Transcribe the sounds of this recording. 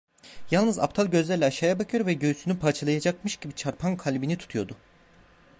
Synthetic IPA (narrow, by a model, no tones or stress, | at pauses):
jalˠnɯza̰p̚t̪ʰalˠɟø̞zlʲæɾlʲɛaʃaːjabakʰɯjoɾvɛɟøysynypʰat͡ʃʰɯlˠajad͡ʒakmɯʃɟibit͡ʃʰaɾpʰankʰalʲbinit̪ʰu̥t̪ʰujo̞d̪ʊ